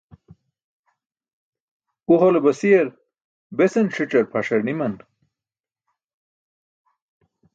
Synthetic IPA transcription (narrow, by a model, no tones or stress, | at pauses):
uholebɐsijɐɾ | besɐnʂiʈ͡ʂɐɾpʰaʂɐɾnimɐn